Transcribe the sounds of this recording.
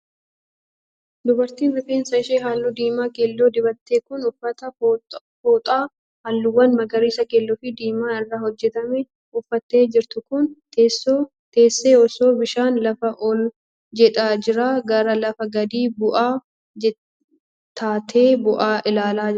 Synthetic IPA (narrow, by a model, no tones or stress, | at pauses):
d̪ʊbɐɾt̪iːnɐfiːnsɐɪʃeːɦaːlːʊd̪iːmaːkeːlːoːd̪ɪbɐt̪ːeːkʊnʊfɐt̪ɐ | foːt̪ʼaː | haːlːʊwːɐnmɐɡɐɾiːsɐkeːlːɔfɪd̪iːmaːɪrːaːhɔd͡ʒːɛt̪ɐmɛ | ʊfːɐt̪ːe̞ːd͡ʒɪɾt̪ʊkʊnt̪ʰeːsːoː | t̪e̞ːsːe̞ːɔsoːbɪʃaːnlɐfɐʔɔl | d͡ʒɛᶑ̪ʼaːd͡ʒɪɾaːɡɐɾɐlɐfɐɡɐd̪iːbʊʔaː | ɛ | t̪aːt̪ʰe̞ːbʊʔaːʔɪlaːlaː